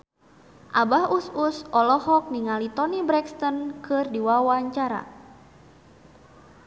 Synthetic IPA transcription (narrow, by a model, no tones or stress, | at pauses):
ʔabahususʔɔlɔhɔk̚niŋalit̪ɔnibɾɛkst̪ɔnkɨrdiwawaɲt͡ʃaɾa̰